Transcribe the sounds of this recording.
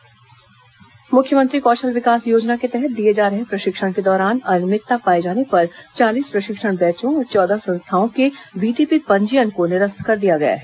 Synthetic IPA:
mʊkʰjəmə̃nt̪ɾikɔːʃəlʋɪkaːsjoːd͡ʒnaket̪ɛɦɛt̪̚d̪ijed͡ʒaːɾɐɦepɾɐʃɪkʃəɽ̃ked̪ɔːɾaːnɐnmɪt̪ːapaːed͡ʒaːnepɐɾt͡ʃaːliːspɾɐʃɪkʃəɽ̃bɛːt͡ʃõɔːɾt͡ʃɔːd̪asɐ̃nst̪ʰaːõkeʋiːʈiːpipɐ̃ɲd͡ʒijənkonɪɾəst̪ʰkɐɾd̪ijaɡɐja̰ɦɛ

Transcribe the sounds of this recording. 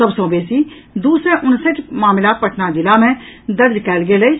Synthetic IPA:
əbsõːbeːsiː | d̪uːsɾẽʔʊnsət͡ʃmaːmɪlaːt̪̚pəʈʰnad͡ʒɪlaːmɛ̃ːd̪əɾd͡ʒkɛːlɡeːləi

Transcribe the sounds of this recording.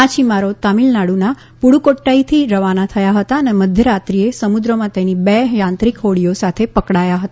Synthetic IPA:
ãt͡ʃʰimaɾot̪amilnaɽuna | puɽukoʈːait̪ʰiɾəʋanat̪ʰəjaɦət̪aəneməd̪ʱjəɾat̪ɾiesəmud̪ɾəmãt̪enibɛjãnt̪ɾikɦoɽijosat̪ʰepəkɽajaɦət̪a

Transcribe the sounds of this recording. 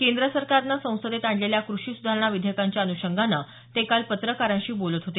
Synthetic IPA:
kend̪ɾəsəɾkaɾnasə̃w̃səd̪et̪aɳɖleljakɾuɕiːsud̪ʱaɾɳ̃aʋid̪ʱjəkaɲt͡ɕjaənuɕəŋɡʱanːa | t̪ekalpət̪ɾəkaɾãɕiːbolət̪ɦot̪e

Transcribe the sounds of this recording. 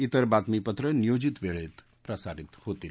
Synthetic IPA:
it̪əɾbat̪mipət̪ɾənijod͡ʑit̪ʋeɭet̪ | pɾəsaɾit̪hot̪iːl

